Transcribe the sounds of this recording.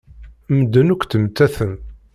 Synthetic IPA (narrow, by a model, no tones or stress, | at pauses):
məd̪ːənukʷt̪əmt̪ːæθən